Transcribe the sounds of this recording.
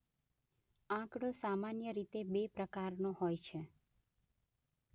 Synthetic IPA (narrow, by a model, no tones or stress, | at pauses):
ãkɽ̃osamanjəɾit̪ebepɾəkaɾnoɦojt͡ʃʰe